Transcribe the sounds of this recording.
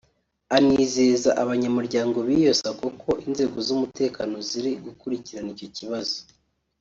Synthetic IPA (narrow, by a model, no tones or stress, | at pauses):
aniːzeːzaʔaβaɲamuɾɟaːŋɡo̞βijo̞sakokʰo̞ʔinze̞ːɡo̞zumute̞ːkano̞ziɾiɡukuɾiciɾanico̞ciβazo